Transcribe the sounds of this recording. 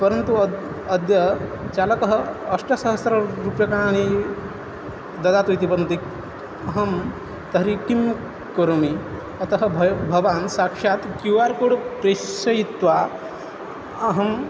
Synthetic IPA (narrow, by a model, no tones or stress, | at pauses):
pɐɾɐnt̪u | ɐd̪jɐ | t͡ʃaːlɐkɐɦɐɐʂʈɐsɐɦɐsɾɐɾupjɐkani | d̪ɐd̪aːt̪ujt̪ipɐɾɐnt̪i | ɐɦɐm | t̪ɐɾikim | koɾomi | ɐt̪ɐɦɐbʱɐʋaːnsaːkʂaːt̪kjuaːɾkoːɽpɾesɐjit̪ʋa | ɐɦɐm